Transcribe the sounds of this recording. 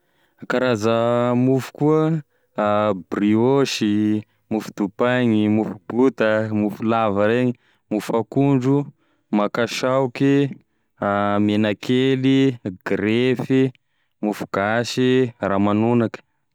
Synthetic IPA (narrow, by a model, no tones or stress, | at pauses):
kaɾazəmufu̥kuə | brioʃi | mufud̪̥upaɲimufub̥ut̪əmufulavəɾeɲi | mufakuɳɖ͡ʐu | makaʃawki | menakʰeliɡɾefi | mufu̥ɡ̥aʃiramanunakə̥